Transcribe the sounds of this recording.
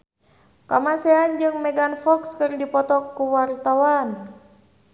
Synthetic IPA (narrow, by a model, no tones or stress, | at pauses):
kamasɛand͡ʒɨŋmɛɡanfɔkskɨrdipɔt̪ɔkːuwart̪awan